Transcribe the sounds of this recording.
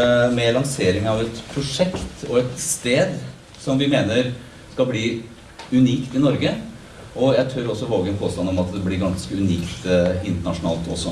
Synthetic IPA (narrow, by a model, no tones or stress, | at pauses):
mɛlɑŋseːɾɪŋɑʋɛt̪pʰɾʊʂɛkt̪ɔɛt̪st̪eːd̪ | sɔmʋɪmeːnəɾ | skɑlbliː | ʉniːkt̪ɪnɔɾɡə | ɔjæɪt̪ʰøɾɔsːɔʋoːɡənpʰoːst̪ɑnɔmɑt̪d̪ɛblɪɾɡɑnskəʉniːkt̪ɪnt̪əɳɑʂʊnɑ̰ːlt̪ʰɔsːɔ